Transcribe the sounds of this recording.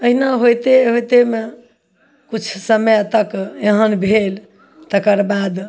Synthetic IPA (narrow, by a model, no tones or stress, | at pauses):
əɦinaɦojt̪eɦojt̪eme | kut͡ʃʰsəməjt̪əkeɦənbʱel | t̪əkəɾbad̪